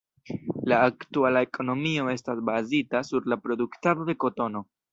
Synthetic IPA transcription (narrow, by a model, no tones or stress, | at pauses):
laːktualae̞kʰo̞no̞mio̞e̞stasbazitasuɾlapɾo̞duktado̞de̞ko̞to̞no̞